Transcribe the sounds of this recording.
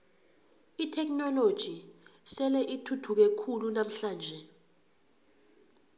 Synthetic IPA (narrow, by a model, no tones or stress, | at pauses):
itʰɛk̬nɔlod̥ʒ̥ʱisɛlɛʔitʰutʰuk̬ɛkʰulunam̩ɬaːnd͡ʒʱɛ